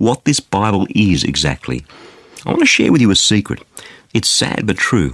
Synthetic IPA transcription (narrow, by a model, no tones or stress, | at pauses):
wʌt̪̚ðɪsb̥aɪbəl̩ˠɪzɨ̰ɡzæ̰k̚tʰˡlḭ | aɪwɑ̰̃nɨʃɛ̰ɹwɨðjɨɨsikɹɨ̰ɾɨtsæ̰d̚bʌtʰɹ̥ʉ